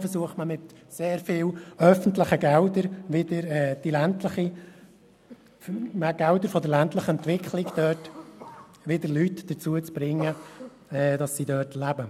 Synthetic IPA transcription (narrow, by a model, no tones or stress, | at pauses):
fəɾsuəχtməmɪtseːɾfɪːwœfən̩tlɪχəɡɛwdəɾʋɪdəɾɛːd̥ilæntləχi | mɡ̥æwdəɾfɔd̪əɾlæntləχəɛntʋɪkχlɪɡd̥̪œːt | ʋɪdəɾlytd̥əɾt͡suət͡sb̥ɾɪŋːə | ɛd̥ɑsːidœːtlæbə